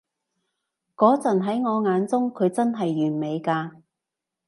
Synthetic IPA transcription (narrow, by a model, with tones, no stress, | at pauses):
kɔː˨˥t͡sɐ˨˩nɦɐ˨˥jŋɔː˨˧ŋaː˨˧nt͡sʊ˥ŋkʰɵ˨˧ɥt͡sɐ˥nɦɐ˨jːyː˨˩nme˨˧jkaː˧